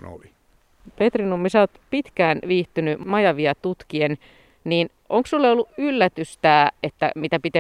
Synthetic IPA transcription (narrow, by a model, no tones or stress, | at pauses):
no̰li | pet̪rinumːisæot̪pit̪kæːnʋiːht̪ynymɑjɑʋiɑt̪ut̪kien | niːn | ʔoŋksulːeolːuʔylːæt̪yst̪æːet̪ːæ̰mit̪æpit̪e